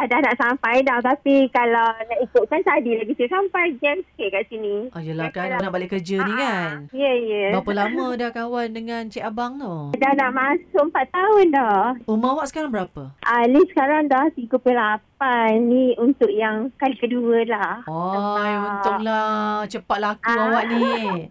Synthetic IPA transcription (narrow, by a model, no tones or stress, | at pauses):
adahnaʔsampajdɔht̪apikalawnaʔikʊʔ̪̚kansadilabisisampajɡɛmskɛʔ̚kaʔsinĩajəlakalanaʔbalikərd͡ʒənikanjəjəbapəlamə̃dahkawandəŋant͡ʃiabaŋt̪odahnaʔmãsʊʔəmpat̪ːaʊndɔumaawaʔsə̥kaɾaŋbəɾapəʔalisə̥kaɾaŋdɔhsiɡupulapanːiunt̪ʊʔjaŋkalikəduəlahajunʊŋlat͡ʃəpat̪laakuawaʔni